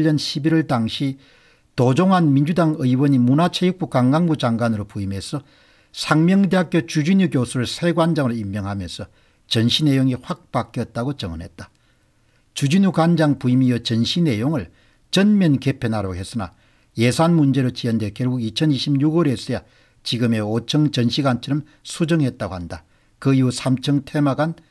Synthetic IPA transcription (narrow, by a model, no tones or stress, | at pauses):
ʌnɕʰibiɾʌɭtaŋɕʰi | tod͡ʑoŋɦanmind͡ʑudaŋɯiwʌɲimunat͡ɕʰejɯk̚p͈ukaŋɡaŋɡud͡ʑaŋɡwanɯɾopuime̞sʰʌ | sʰaŋmjʌŋdeɦak͈jot͡ɕud͡ʑiɲukjosʰuɾɯɭsʰeɡwand͡ʑaŋɯɾoimːjʌŋɦamjʌnsʰʌ | t͡ɕʌnɕʰine̞joŋiɸwak̚pak͈jʌt̚t͈aɡot͡ɕʌŋʌnɦe̞t̚t͈ḁ | t͡ɕud͡ʑiɲukwand͡ʑaŋpuimijʌt͡ɕʌnɕʰine̞joŋɯɭ | t͡ɕʌnmjʌnke̞pʰenɦaɾoɡɦe̞s͈ɯna̰ | je̞sʰanmund͡ʑe̞ɾot͡ɕiʌnde̞kjʌɭɡuɡit͡ɕʰʌniɕʰibɲuɡwʌɾe̞s͈ʌja | t͡ɕiɡɯme̞ot͡ɕʰʌŋt͡ɕʌnɕʰiɡant͡ɕʰiɾɯm | sʰud͡ʑʌŋɦe̞t̚t͈aɡohanda | kɯiusʰamt͡ɕʰʌŋtʰemaɡan